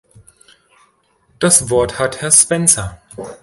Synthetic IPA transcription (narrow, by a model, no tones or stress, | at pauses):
d̥asvɔɐthathɛɐspɛnt͡sɐ